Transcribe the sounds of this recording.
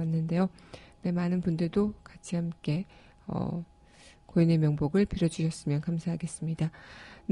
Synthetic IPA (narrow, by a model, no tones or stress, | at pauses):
anːɯnde̞jone̞manɯnbundɯɭdokat͡ɕʰihamk͈e̞ | ʌ̰ | koine̞mjʌŋboɡɯɭpʰiɾjod͡ʑuɕʰʌs͈ɯmjʌnkamsʰaɦaɡe̞s͈ɯmɲidan